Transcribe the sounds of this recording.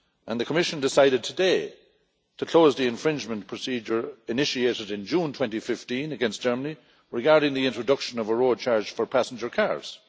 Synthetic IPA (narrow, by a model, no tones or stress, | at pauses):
ʔə̃nðəkʰəmɪʃə̃ndɪsaɪɾɨd̚tʰədeɪ | tʰəkʰl̥oːzðiɨ̃ɱfɹɪ̃nd͡ʒmə̃npʰɹ̥əsid͡ʒə˞ɪnɪʃieɾɪɾɪ̃nd͡ʒũːntʰw̥ɛ̃ntifɪftĩnəɡɛ̃nstd̥ʒ̥ɜ˞məni | ɹɪɡaɹɾɪ̃ŋðiɪ̃ntɹ̥ədʌkʃə̃nʌvəɹod̚t͡ʃʰaɹd͡ʒ̥fə˞pʰæsn̩d͡ʒə˞kʰa̰ɹz̥